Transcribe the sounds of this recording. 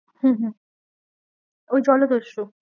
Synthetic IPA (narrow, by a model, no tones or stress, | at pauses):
hũːɦũ | ojd͡ʑɔlod̪oʃo